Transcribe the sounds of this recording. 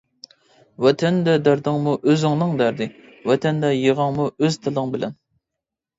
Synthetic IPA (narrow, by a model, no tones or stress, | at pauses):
wɛt̪ʰɛnd̪ɛd̪æɾd̪ɨŋmuʔøzɪŋnɨŋd̪æɾd̪ɪ | wɛt̪ʰɛnd̪ɛjeʁɑŋmuøz̥t̪ʰɪlˠɨŋbɪlɛ̰n